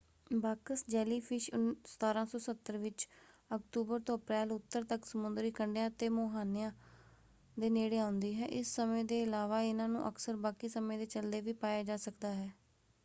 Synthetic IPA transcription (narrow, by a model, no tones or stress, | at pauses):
baːkəsd͡ʒɛːliːpʰɪʃʊnst̪ʰaːɾãːsɔːsət̪ːəɾʋɪt͡ʃ | əkt̪uːbəɾt̪õːəpɾɛːlʊt̪ːəɾt̪əksəmʊnd̪ɾiːkəɳɖjãːt̪eːmoːɦaːnɪjãː | d̪eːneːɽeːãːʊnd̪iːɦɛːʔɪsːəmẽːd̪eːɪlaːʋaːɪnãːnṵ̃ːʔəksəɾbaːkiːsəmẽːd̪eːt͡ʃəld̪eːʋiːpaːjaːd͡ʒaːsəkd̪aːɦɛː